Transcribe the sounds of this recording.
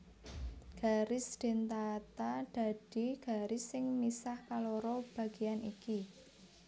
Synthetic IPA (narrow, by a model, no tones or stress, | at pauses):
ɡ̥a̤ɾɪsd̪̥e̤nt̪at̪ad̪̥a̤d̥i̤ɡ̥a̤ɾɪsːɪŋmisahkaloɾɔb̥a̤ɡ̥ianiki